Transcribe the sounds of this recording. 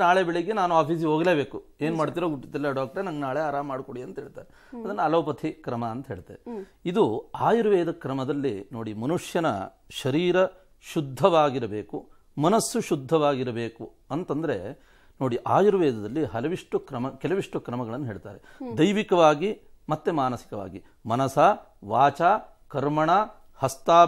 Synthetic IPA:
naːɭebeɭiɡenaːnuaːpʰiːs̬ioːɡleːbe̞ːkueːnumaːɽt̪̬iːɾoːɡuʈːit̪ɐlːɐɖaːk̚ʈɐɾenɐŋɡnaːɭeaːɾaːmːaːɽkoɽiɐnt̪ɐɦeːɭt̪a̰ːɾe | ɐd̪ɐnːɐːlɐʋpɐt̪ʰikɾɐmɐːnt̪ɐɦe̞ːɭt̪eeid̪uaːjuɾʋɛːd̪ɐkɾɐmɐd̪ɐlːino̞ːɽimɐnuʂjɐnɐ̰ | ʃɐɾiːɾɐ | ʃud̪ʱːɐʋaːɡiɾɐbeːku | mɐnɐsːuʃud̪ʱːɐʋaːɡiɾɐbeːku | ɐnt̪ɐnd̪ɐɾe | noːɽiʔaːjuɾʋɛːd̪ɐd̪ɐlːiɦɐlɐʋiʂʈukɾɐmɐkɛlɐʋiʂʈukɾɐmɐɡɐɭɐnːuɦe̞ːɭt̪a̰ːɾed̪ɐjʋikɐʋaːɡi | mɐt̪ːemaːnɐsi̥kɐʋa̰ːɡi | mɐnɐsaː | ʋaːt͡ʃaː | kɐɾmɐɳaː | hɐst̪aː

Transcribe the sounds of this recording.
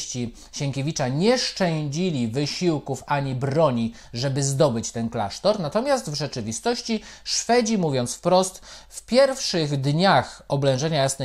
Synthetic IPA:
t͡ɕi | ɕɛŋkʲevʲit͡ʂaɲɛʂt͡ʂɛ̃d͡ʑilʲivɘɕiwkufaɲibɾɔɲi | ʐɛbɘzd̪ɔbɘt͡ɕt̪ɛnkla̰ʂt̪ɔɾnat̪ɔmʲjast̪vʐɛt͡ʂɘvʲist̪ɔɕt͡ɕiʂfɛd͡ʑimuvʲjɔnt̪sfpɾɔst̪fpʲjɛɾfʂɘɣd̪ɲaxɔblɛ̃w̃ʐɛɲajasnɛ

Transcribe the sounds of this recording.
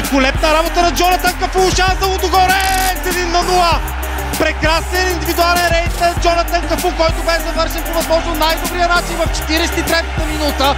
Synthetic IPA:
kolɛp̪̚nɐɾabot̪ənɐd͡ʒɔnɐt̪ankɐfuʊʃazd̪ɐlˠot̪oɡɔɾɛzɛd̪inːɐnulˠə | pɾɛkɾasninind̪ivid̪ualˠɛnɾɛjt̪nɐd͡ʒɔnɐt̪ənkɐfukɔjt̪ʊbɛzɐvɤɾʃɛnpovɐzmɔʒnonajd̪obɾijənat͡ʃinvɐft͡ʃɛ̥t̪iɾɛsɛt̪it̪ɾɛt̪ət̪əminut̪ə

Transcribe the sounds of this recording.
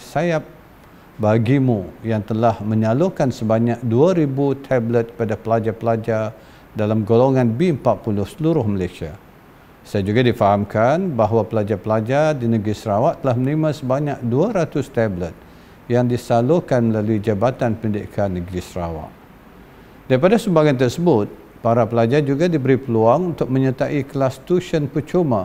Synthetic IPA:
sajap̚ | baɡimũjaŋt̪əlahmə̃ɲalokansəbaɲak̚duaɾibut̪ʰɛblət̪̚kəpadapəlad͡ʒapəlad͡ʒa | dalamɡoloŋãnbimpat̪̚pulʊhsəluɾʊhməlajsia | sajad͡ʒuɡadifaɦamkʰanbaɦwapəlad͡ʒapəlad͡ʒadinəɡɾisəɾawaʔt̪əlahmənimãsəbaɲak̚duaɾat̪ʊst̪ablət̪̚ | jaŋdisalohkanməlaluid͡ʒabat̪anpənidɪ̰ʔkʰanːəɡɾisəɾawa̰ʔ | daɾipadasəmbaɡant̪ərsəbʊt̪̚ | paɾapəlad͡ʒad͡ʒuɡadibəɾipəluaŋunt̪ʊk̚mə̃ɲət̪aʔiklast̪uʃənpət͡ʃoma

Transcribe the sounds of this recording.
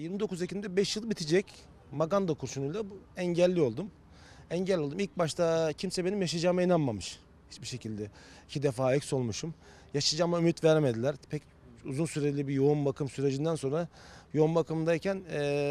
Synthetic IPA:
jiɾmid̪o̞kʰuzecʰind̪ɛbɛʃjɯlˠbit̪ʰid͡ʒɛc | maɡand̪akʰuɾʃunujlˠabuɛɲɟɛlʲːio̞lˠd̪um | ɛɲɟɛlʲːiolˠd̪umilc̚baʃt̪ʰacʰimsɛbenimjaʃad͡ʒaːmainanmamɯʃ | hit͡ʃbiʃe̞cʰilʲd̪ɛ | icʰid̪efaːɛcso̞lˠmuʃum | jaʃad͡ʒaːmaymyt̪væɾme̞d̪ilʲæɾpʰɛc | uzunsyɾed͡ʒlʲibijo̞umbakʰɯmsyɾe̞d͡ʒind̪ænso̞nɾajo̞umbakʰɯmnd̪aicʰænː

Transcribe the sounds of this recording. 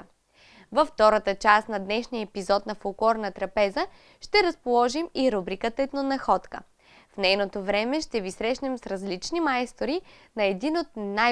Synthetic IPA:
vɐft̪ɔɾət̪ət͡ʃast̪nɐd̪nɛʃnijəɛpizɔt̪nɐfolˠklˠɔɾnɐt̪ɾɐpɛzə | ʃt̪ɛɾɐspolˠɔʒimiɾubɾikət̪ɛt̪nonɐxɔt̪kə̰ | fnɛjnot̪ovɾɛmɛʃt̪ɛvisɾɛʃnɛmsɾɐzlit͡ʃnimaɛst̪oɾinɐɛd̪inot̪̚na

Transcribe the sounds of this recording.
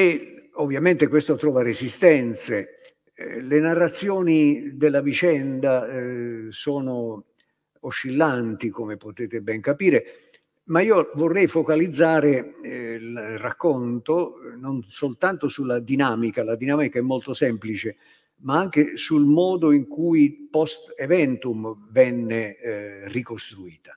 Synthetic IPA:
eovːjament̪ekwest̪ot̪ɾɔːvaɾezist̪ɛnt̪se | lenarːat̪sːjɔːnid̪elːavit͡ʃɛnd̪a | sɔːno | oʃːilːant̪ikomepot̪eːt̪ebɛŋkapiːɾe | maiːovorːɛjfokalid̪zːaːɾelrakːont̪ononsolt̪ant̪osulad̪inaːmikalad̪inaːmikaɛmːolt̪osɛmplit͡ʃe | maaŋk̟esulmɔːd̪oiŋkujpɔst̪evɛnt̪umvɛnːerikost̪ɾuiːt̪ḁ

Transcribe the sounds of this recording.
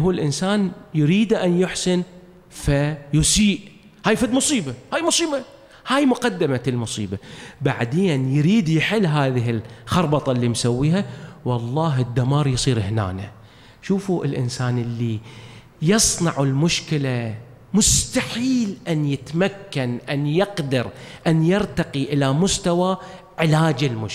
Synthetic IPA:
ɦuːlʔɪnsaːnjɾiːd̪ʔanjʊħsɪn | fajʊsiːʔ | haːjfad̪mʊsˤiːbahaːjmʊsˤiːba | haːjmʊqad̪ːɪmalmʊsˤḭːbabaʕd̪eːnjɾiːd̪jɪħɪlːɦaːðɪɦɪlxɑɾˤbɑt̪ˤɑlːimsawːiːɦawɑlˤːɑːɦɪd̪ːamɑːɾˤjsˤiːɾɪhna̰ːna | ʃuːfuʔɪ̰lʔɪ̰nsaːnʔɪlːi | jɨsˤnɑʕɪlmʊʃkɪla | mʊst̪aħiːlʔanjɪt̪makːanʔanjɪqd̪ɑɾʔanjɪɾt̪ɑqiʔɪlamʊst̪awa | ʕɪlaːd͡ʒɪlmʊʃ

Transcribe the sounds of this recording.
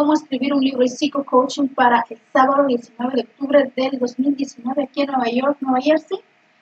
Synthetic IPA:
omoeskɾiβiɾunliβɾoisikokowt͡ʃiŋpaɾaʔelsaβaðoðjesinweβeðeok̚t̪uβɾeðeld̪ozmild̪je̞sinweβeakienweβaʝoɾk̚nweβajeɾsi

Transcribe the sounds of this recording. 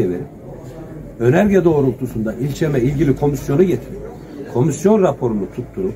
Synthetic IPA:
ɛve̞̰ɾip | ø̞næɾɟɛd̪o̞ːɾulˠt̪ʰusund̪ailʲt͡ʃʰemɛilʲɟilʲikʰo̞misjo̞nuɟet̪ʰiɾip | kʰo̞misjo̞nɾapʰo̞ɾunut̪ʰut̪ʰːuɾup

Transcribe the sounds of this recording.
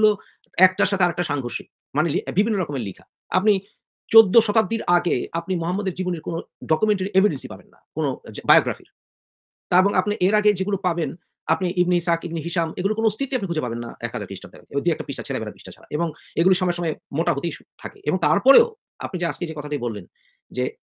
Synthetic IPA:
ulo | ɛk̚ʈaɾʃat̪ʰeaɾɛk̚ʈaʃaŋɡʱoɾʃik | manelibibʱinːoɾɔkomeɾlḭkʰa̰ | a̰pni | t͡ɕod̪ːoʃɔt̪ad̪ːiɾaɡeapnimoɦamːod̪eɾd͡ʑiboniɾkonoɖɔkumeɳʈeɾiʔebʱiɖensipabenːa̰konod͡ʑbajoɡɾafḭɾ | t̪aeboŋapniʔeɾaɡed͡ʑeɡulopaben | a̰pniʔibniisakibniɦiʃameɡulokonoost̪ʰit̪ːeap̚nikʰud͡ʑʱepabenːa̰ʔɛ̰kɦad͡ʑaɾkɾiʃʈaɾd̪ḛɾa̰ɡed̪iɛkʈapiʃʈat͡ɕʰɛlabɛlapiʃʈat͡ɕʰa̰la̰ʔeboŋeɡuliʃɔmɔeɾʃɔmɔemoʈaɦot̪eiʃu̥t̪ʰakḛʔḛboŋt̪aɾpɔɾeo | a̰pnid͡ʑaad͡ʑked͡ʑekɔt̪ʰaʈibolːen | d͡ʑe

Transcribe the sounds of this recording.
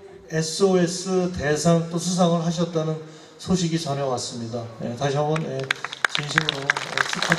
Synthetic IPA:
e̞sʰɯoe̞s͈ʰɯte̞sʰaŋt͈osʰus̬ʰaŋɯɭɦaɕ̬ʰʌt̚t͈anɯn | sʰoɕʰiɡit͡ɕʌnʌwas͈ɯmɲidajḛtaɕʰiabʌnet͡ɕinɕ̬ʰimɯɾoʌ̰t͡ɕʰikʰa

